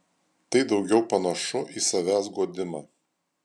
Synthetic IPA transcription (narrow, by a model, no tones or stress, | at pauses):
t̪ɐɪd̪ɒʊɡʲɛʊpɐnɐʃʊʔiːsɐʋʲæːsɡuɔd̪ʲɪmɑː